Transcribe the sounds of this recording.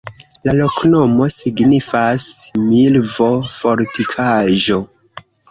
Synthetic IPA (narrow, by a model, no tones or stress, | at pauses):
lalo̞knomo̞siɡnifasmilvo̞fo̞ɾtikʰaʒo̞